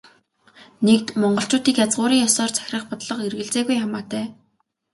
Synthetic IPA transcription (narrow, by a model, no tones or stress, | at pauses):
nek̚t̪mɔɴɢɞ̆ɬt͡ɕʊːt̪iːkjat͡sʁʊːɾiːŋjɔsɔːrt͡sʰæ̥x̆ʲrə̆χpɔt̪ɮɞ̆qerɣɘ̆ɬt͡seːɣujχamaːt̪æː